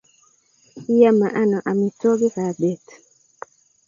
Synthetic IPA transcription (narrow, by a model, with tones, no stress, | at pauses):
ja˦ma˨ʔa˦nɔ˨ʔa˨mi˨t͡sɔ˦ɡi˦ka˨bɛ˨t